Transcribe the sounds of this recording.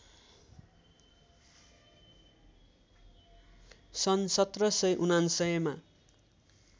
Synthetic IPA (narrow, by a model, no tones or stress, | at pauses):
sʌnsʌt̪rʌsʌjʔunansʌjma